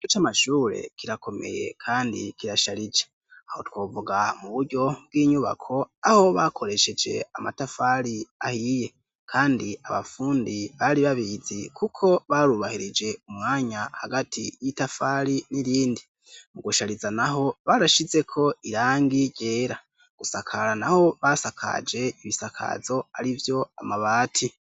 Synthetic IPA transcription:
iɟot͡ʃamaʃuːɾe̞̰kiɾakʰo̞me̞̰je̞̰kʰaːndḭkiɾaʃaɾid͡ʒe̥ | aho̞̰two̞ːvuɡamuβuɾɟo̞b̚ɡiːɲuβa̰kʰo̞aho̞βakʰo̞ɾe̞ʃe̞d͡ʒe̞̰amatafaɾiahije̞ | kʰaːndiaβa̰fuːndiβaɾiβaβizikʰukʰo̞βaɾuβahiɾid͡ʒe̞umŋaːɲahaɡatʰijitafaɾiniɾiːndi | muɡuʃaɾizanaɦo̞βaɾaʃize̞kʰo̞iɾaːŋɡiɾɟe̞ːɾa | ɡ̥usakʰaɾanaho̞βasakʰa̰d͡ʒe̞iβisakʰa̰zo̞aɾivjo̞amaβaːtʰi

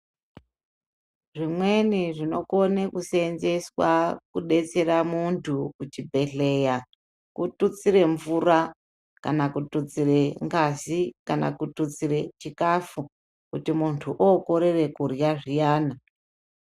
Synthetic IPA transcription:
ʐimwe̞niʐino̞konekusenze̞swakuɗe̞t͡se̞ɾamuntʰukut͡ʃibʱe̞ɬe̞ja | kutut͡sire̞ɱvura | kanakutut͡sire̞ŋɡazikana̰kutut͡sire̞t͡ʃikafu | kutimuntʰuʔokoɾe̞re̞kurjaʐijaːna

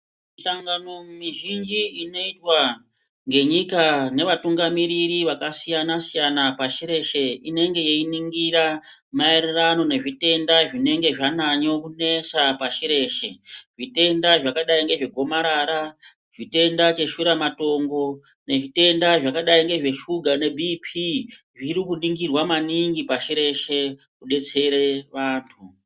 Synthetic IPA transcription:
mitaŋɡano̞mumiʒind͡ʒiino̞itwa | ŋɡe̞ɲikane̞ʋatuŋɡamiɾiɾiʋakasijanasijanapaʃiɾe̞ʃe̞ine̞ŋɡe̞jeiniŋɡiɾa | maererano̞ne̞ʐite̞ndaʐine̞ŋɡe̞ʐanaɲo̞kune̞sapaʃiɾe̞ʃe̞ʐite̞ndaʐakaɗaiŋɡe̞ʐe̞ɡʱo̞maɾaɾa | ʐ̥ite̞ndat͡ʃe̞ʃuɾamato̞ŋɡo̞ | ne̞ʐite̞ndaʐakaɗaiŋɡe̞ʐe̞ʃuɡʱane̞bʱipʰi | ʐiɾikuniŋɡirwamaniŋɡipaʃiɾe̞ʃe̞ | kuɗe̞t͡se̞ɾe̞ʋaːntʰu

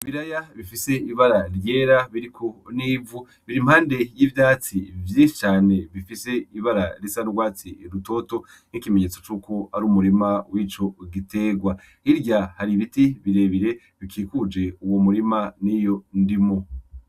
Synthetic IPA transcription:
βiɾajaβifise̞iβaɾaɾjeːɾaβiɾikʰoniːvu | βiɾimhaːnde̞jivjaːt͡sivjiʃi̥t͡ʃaːne̞βifise̞iβaɾaɾisanuɾɡwaːt͡siɾuto̞ːto̞ | nikimeɲet͡so̞t͡ʃuːko̞aɾuːmuɾimawit͡ʃo̞ɡite̞ɡwa | iɾɟahaɾiβitiβiɾe̞βiɾe̞ | βikʰiːkud͡ʒe̞uwo̞muɾimanijo̞ndimo̞

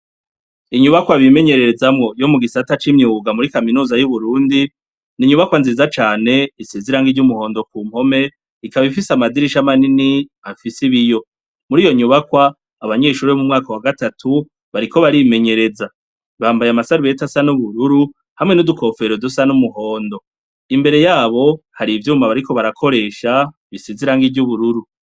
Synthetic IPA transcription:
iɲuβakwaβime̞ɲe̞ɾe̞ɾe̞zamŋo̞jo̞muɡisatat͡ʃimɲuːɡamuɾikaminuːzajuβuɾuːndi | niɲuβakwanziːzat͡ʃaːne̞iseziɾaŋɡivɟumuho̞ːndokuːm̥ho̞me̞ | ikaβaβifisamadiɾiʃamanini | afisiβijo̞ | muɾiːjo̞ɲuβakwaː | βaɲe̞ːʃuɾiβemumŋaːkawaɡatatʰu | βaɾikʰo̞βaɾime̞ɲe̞ɾe̞za | βaːmbajamasaɾuβe̞tasanuβuɾuɾu | hamŋe̞nudukʰo̞fe̞ɾo̞dusanumuɦo̞ːndo̞ | imbe̞ɾe̞jaːβo̞haɾivjuːmaβaɾiko̞βaɾakʰo̞ɾe̞ːʃa | βiseziɾaŋɡivɟuβuɾuɾu

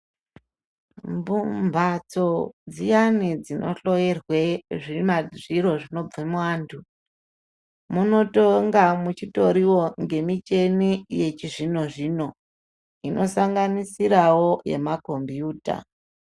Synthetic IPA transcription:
mbumbʱat͡so̞d͡zijanid͡zino̞̰ɬo̞je̞rwe̞ʐimaʐiro̞ʐino̞b͡vemuwaːntʰu | muno̞toŋɡamut͡ʃito̞ɾiwo̞ŋɡe̞mit͡ʃe̞nije̞t͡ʃiʐino̞ʐiːno̞ | inʔo̞saŋɡanisiɾawo̞je̞̰mako̞mbjuːta̰

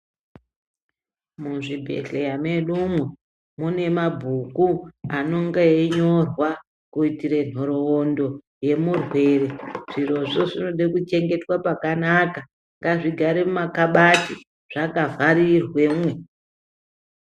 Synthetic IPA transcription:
muʐibʱe̞̰ɬejame̞ɗumwe | mune̞mabʱukuano̞ŋɡeeɲo̞rwa | kuitiɾe̞n̤oɾoːndo̞ | je̞murwe̞ɾe̞ʐ̥iro̞ʐo̞ʐinoɗekut͡ʃe̞ŋɡe̞twapakanaka | ŋɡaʐiɡʱaɾemumakaɓati | ʐ̥akavaɾirwe̞mwe̞

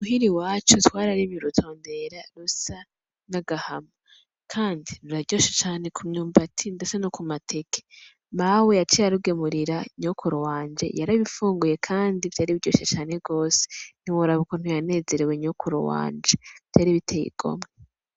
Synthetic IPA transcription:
muhiɾiwaːt͡ʃutwaːɾaɾimjuɾutʰo̞ːnde̞ɾaɾusa | naɡahama | kʰaːndiɾuɾaɟoːʃet͡ʃaːne̞kʰumɲuːmbatʰindesenokumatʰe̞ke̥ | mawejat͡ʃijaɾuɡe̞muɾiɾaɲokʰuɾowaːnd͡ʒe̞̰jaɾaβifuːŋɡuje̞kʰaːndiv̥aɾiβiɟo̰ːʃet͡ʃaːne̞ɡo̞ːse̥n̥iwoɾaβukon̥ujane̞ːze̞ɾeweɲokʰuɾo̰wa̰ːnd͡ʒeβ̥taɾiβitʰejḭɡ̥o̞̰me

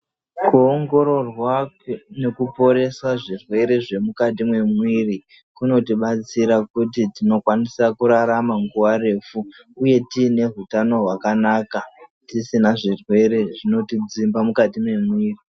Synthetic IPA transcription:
kuoŋɡo̞ɾo̞rwa | ne̞kupo̞ɾe̞swaʐirwe̞ɾe̞ʐe̞mukat̬imwe̞mwiːri | kuno̞tiɓat͡siɾakutitino̞kwanisakuɾaɾamaŋɡuʋare̞ːfuː | je̞tiːne̞ɦutano̞ɦwakanaːkatisinaʐirwe̞ɾe̞ʐino̞tid͡zimbamukatimwe̞mwiːri

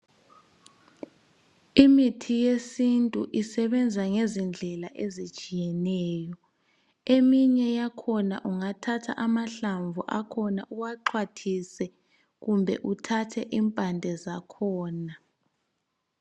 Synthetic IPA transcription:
imitʰijesintʼuʔisɛβɛnd͡zʱaŋezind͡ɮʱɛlaʔezit͡ʃʼijɛnɛːjɔ | emiɲɛjakʰɔna̰ʔuŋatʰatʰa̰ʔamaɬaɱvʱṵʔakʰɔnaʔuwaǃʰwatʰisɛ | ɣumbʱɛ̰ʔutʰatʰɛʔimpʼandʱɛzakʰɔːna

